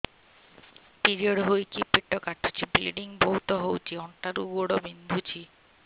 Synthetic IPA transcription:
piɾioɖɦojkipːeʈːɔkaʈʰːu̥t͡ɕʰibiliɖiŋbout̪ɔɦowt͡ɕʰiɔɳʈaɾuɡoɽobind̪ʱut͡ɕʰi

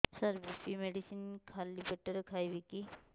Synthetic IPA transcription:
səɾbipimeɖisinkʰalːibeʈəɾkʰajbiki

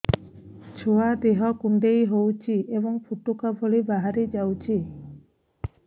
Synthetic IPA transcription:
t͡ʃʰoad̪eɦɔkuɳɖejɦowt͡ʃʰiʔebɔŋpʰuʈukabʱoɭibaɦaɾid͡ʒawt͡ʃʰi

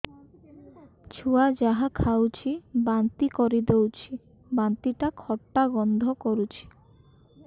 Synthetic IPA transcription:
t͡ʃʰuad͡ʒaɦakʰawt͡ɕʰibant̪ikɔɾid̪ewt͡ʃʰi | bant̪iʈakʰɔʈːaɡɔnd̪ʱɔkoɾut͡ɕʰi̥

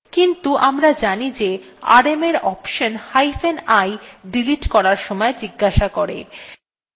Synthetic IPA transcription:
kint̪uʔamɾad͡ʑanid͡ʑe | a̰ɾemeɾɔpʃonhajfʰenajɖiliʈkɔɾaɾʃɔmɔed͡ʑiɡːaʃakoɾḛ

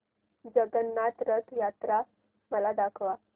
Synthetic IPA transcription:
d͡zəɡənːat̪ɾət̪jat̪ɾa | məlad̪akʰʋa

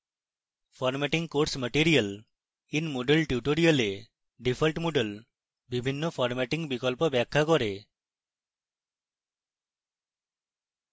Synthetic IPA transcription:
pʰɔɾmɛʈiŋɡkoɽsməʈiɾiəl | inmoɖəlʈjuʈoɾiəle | ɖipʰəlʈmoɖəl | bibʱinːɔpʰɔɾmɛʈiŋɡbikɔlpɔbakʰːakɔɾe

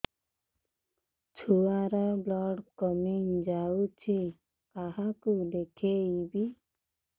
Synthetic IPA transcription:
t͡ʃʰuaɾablɔɽkɔmiŋd͡ʒaut͡ʃʰi | kaɦakud̪ekʰeibi

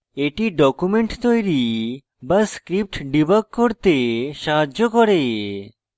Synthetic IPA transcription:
eʈiɖɔkumeɳʈt̪ojɾi | baskɾip̚ʈɖibakkːoɾt̪eʃaɦaːokɔɾe

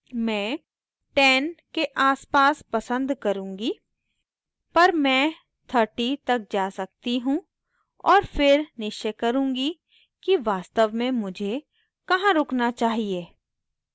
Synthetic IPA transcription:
mɛ̃ː | ʈɛːnkeʔaːspaːspɐsə̃nd̪kɐɾũːŋɡi | pɐɾmɛ̃ː | t̪ʰəɾʈit̪ɐk̚d͡ʒaːsɐk̚t̪iɦũ | ɔːɾfɪɾnɪʃt͡ʃəkɐɾũːŋɡi | kiʋaːst̪əʋmẽmʊd͡ʒʱe | kɐɦãɾʊknat͡ʃaːɦieː

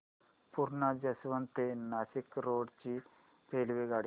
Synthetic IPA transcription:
puɾɳɐd͡ʒɐsʋɐnt̪enɐsikɾoːɖt͡ʃi | peːlʋeɡaːɽi

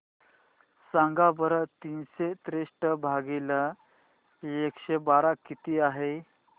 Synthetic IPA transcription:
sãŋɡabəɾt̪iːnset̪ɾeʂʈəbʱaɡila | ekɕebaɾakːit̪iːaɦe

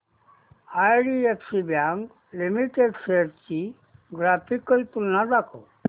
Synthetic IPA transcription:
ajɖieksibjaŋɡ | limiʈeɖseɾt͡ʃi | ɡɾapikːəjt̪ulnad̪akʰo

